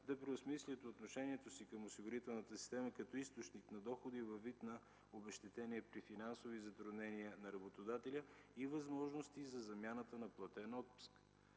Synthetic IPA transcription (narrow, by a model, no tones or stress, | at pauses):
d̪ɐpɾɛʊsmislʲət̪oːt̪noʃɛniɛt̪osikəmosiɡʊɾit̪ɛlˠnət̪əsi̥st̪ɛməkɐt̪ɔist̪ot͡ʃniknɐd̪ɔxod̪ivɐvːit̪nɐ | obɛʃt̪ɛt̪ɛniɛpɾifinansovizɐt̪ɾʊd̪nɛniənɐɾɐbot̪od̪at̪ɛlʲəivɐzmɔʒnost̪izɐzɐmʲjanət̪ənɐplˠɐt̪ɛnɔt̪̚pu̥sk